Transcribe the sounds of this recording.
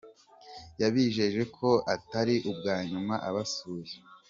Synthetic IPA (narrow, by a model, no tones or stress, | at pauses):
jaβiːʒe̞ʒe̞kʰo̞ataɾiʔub̚ɡaːɲumaʔaβasuːje